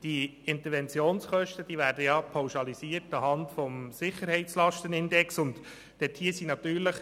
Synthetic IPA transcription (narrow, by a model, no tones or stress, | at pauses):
d̥iɪnt̪əɾʋɛnt͡sjoːnsχœʃtəd̥iːʋvæːɾdəjɑpʰɑwʃɑlisiːəɾtɑɦɑntfɔmsɪχːəɾhɛɪt͡slɑʃtənɪndɛksʊnt | d̥ɛthiəsinɑt̪yːɾləχ